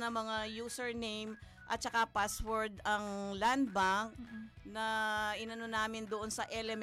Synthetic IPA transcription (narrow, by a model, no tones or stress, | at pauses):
nɐmɐŋajuːsɛɹnejm | ʔɐ̰t̪̚t͡ʃɐkapaswɛɹd̪ɐŋland̪̚baŋnɐʔɪnɐnonaːmɪnd̪oʔonsɐʔɛlɛm